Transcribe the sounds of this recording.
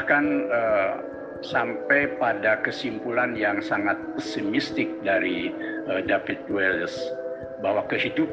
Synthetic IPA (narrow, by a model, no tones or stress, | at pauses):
kanə | sampɛjpadakəsimpulanjaŋsaŋat̪̚əsimist̪ɪk̚daɾiədafit̪̚wɛləs | bawakəhidup